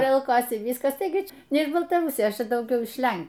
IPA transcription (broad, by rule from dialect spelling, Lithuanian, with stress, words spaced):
ˈjɛɪ ɐʊˈkoːsʲɪ ˈʋʲiːskɐs ˈtɐɪɡʲɪ ˈt͡ʃʲɛ nʲɛ ɪʃ bɐlˠtɐˈrʊsʲɪjoːs ˈt͡ʃʲɛ dɐʊˈɡʲɛʊ ɪʃ ˈlʲɛn